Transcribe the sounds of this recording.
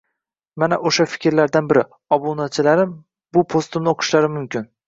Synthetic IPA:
manaʔoʃafɪ̥kʲɾlaɾd̪anbɪɾɪ | ɒbunat͡ʃʰɪlaɾɪm | bʊpʰost̪ɪmnɪoqʰʊ̥ʃlaɾɪmʊmkʲɪn

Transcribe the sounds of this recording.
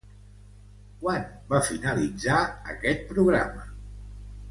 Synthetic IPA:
kwanbafinəlid͡zaə̰kɛt̪̚pɾuɣɾa̰mə

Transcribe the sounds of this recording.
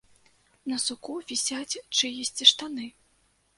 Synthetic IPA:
nɐsukuvʲisʲat͡sʲt͡ʂɨjɛsʲt͡sʲiʂt̪anɨ

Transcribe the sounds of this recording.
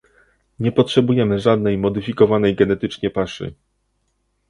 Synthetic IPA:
ɲɛpɔtʂɛbujɛmɘʐad̪nɛjmɔd̪ɘfʲikɔvanɛjɡɛnɛt̪ɘt͡ʂɲɛpaʂɘ̰

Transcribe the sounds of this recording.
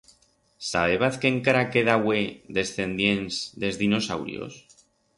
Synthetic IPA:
saβe̞βaθkeŋkaɾakeðawe̞ðe̞sθe̞nd̪jensd̪e̞zðino̞sa̰wɾj̰o̰s

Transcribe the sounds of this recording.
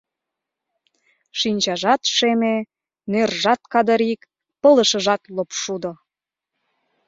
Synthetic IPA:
ʃinʲt͡ɕɑʒɑt̪ʃeme | nerʒɑt̪kɑd̪əɾik | pɤ̆lə̆ʃə̆ʒɑt̪lopʃud̪o

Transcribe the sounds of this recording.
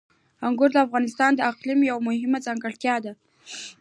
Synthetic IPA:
aŋɡʊɾd̪əafɣɑnɪst̪ɑnd̪əaqlimjawmʊhɪmad͡zɑŋɡaɽt̪jɑd̪a

